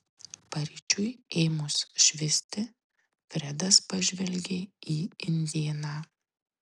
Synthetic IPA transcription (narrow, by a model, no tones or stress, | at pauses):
pɐɾʲit͡ʃʲʊɪeːmʊsʃʲʋʲɪsʲt̪ʲɪ | fʲɾʲɛd̪ɐspɐʒʲʋʲɛlʲɡʲeːiːɪnʲd̪ʲeːnɑː